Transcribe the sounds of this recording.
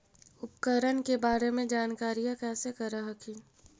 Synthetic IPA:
ʊpkəɾənkebaːɾemẽd͡ʒaːnkaːɾijãkɛːsekəɾəɦəkʰi

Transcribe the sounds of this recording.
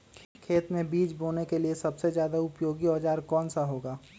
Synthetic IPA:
kʰeːt̪mẽbiːd͡ʒboːnekeliesɐbsezjaːd̪aʊpjoːɡiɔːd͡ʒaːɾkɔːnsaɦoːɡaː

